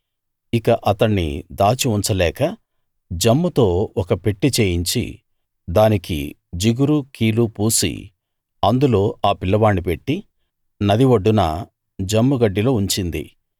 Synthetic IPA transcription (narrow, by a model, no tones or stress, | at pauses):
ikɐʔɐt̪ɐɳːḭd̪aːt͡ʃiuɲt͡ʃɐlɛːkɐ | d͡ʒɐmːut̪o̞ːɔkɐpe̞ʈːit͡ʃe̞ːjiɲt͡ʃḭ | d̪aːnikḭ | d͡ʒiɡuɾukiːlupuːsḭ | ɐnd̪ulo̞ːʔaːpilːɐʋaːnːipe̞ʈːi | nɐd̪iʋɐɖːunɐ̰ | d͡ʒɐmːuɡɐɖːilo̞ːuɲt͡ʃind̪ḭ